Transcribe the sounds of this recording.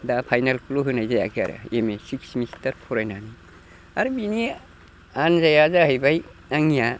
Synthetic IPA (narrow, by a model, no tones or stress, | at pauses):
dapʰajnalkʰuloɦɯnajzaja̰kʰia̰ɾa̰emesiksmistɐɾpʰuɾajnani | aɾbini | anzajazaɦajbaj | aŋija